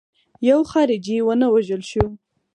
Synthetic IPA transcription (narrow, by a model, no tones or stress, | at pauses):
jawxɑɾɪd͡ʒiwənəwaʒəlʃu